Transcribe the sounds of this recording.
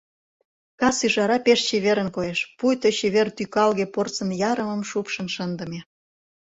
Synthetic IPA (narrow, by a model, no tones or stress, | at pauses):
kɑsyʒɑɾɑpeʃt͡ɕeβeɾənkojeʃpujt̪ot͡ɕeβert̪ykɑlɣeport͡sə̆njɑɾəməmʃupʃə̆nʃənd̪ə̆me